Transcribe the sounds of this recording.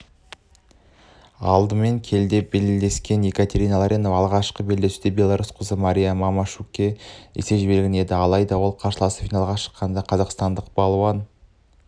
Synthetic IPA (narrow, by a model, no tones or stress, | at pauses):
ɑlˠd̪əme̞ŋkʲʰe̞ld̪e̞belle̞skʲe̞nekat̪e̞ɾʲijnalˠɑɾʔenovɑlˠʁɑʃqəbe̞ld̪esud̪ebʲe̞lˠaɾusqʰəzəmaɾʲijamɑmaʃukʲːeḛse̞ʒbe̞lɡʲɪne̞d̪ɪɑlˠɑjd̪ɑwo̞lˠqʰɑɾʃəlˠɑsə̥fijnɑlˠʁɑʃə̥qːɑnd̪ɑqʰɑzɑqst̪ɑnd̪əq̚b̥ɑlˠuwɑn